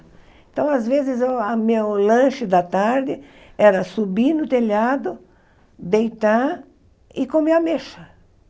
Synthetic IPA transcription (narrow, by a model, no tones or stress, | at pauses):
ẽnt̪ɐ̃w̃azvezɪzewamewlɐ̃ʃɪd̪ɐt̪aɾd̪ɪ | ɛɾɐsubinʊt̪eʎad̪ʊ | d̪ejt̪a | ɪkõmeɐmeʃɐ